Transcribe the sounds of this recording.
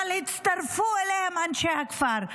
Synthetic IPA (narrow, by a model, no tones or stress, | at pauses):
lit͡sʰt̪ɐɾfuelemanʃeɦɐkfaːɾ